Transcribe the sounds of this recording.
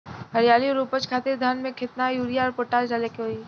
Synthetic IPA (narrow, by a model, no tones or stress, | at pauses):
ɦəɾjaːlijõɾuːpət͡ʃkʰaːt̪ɪɾd̪ʱanmẽkʰɪt̪najuːɾijaɔːɾpoːʈaːld͡ʒaːlekeɦoiː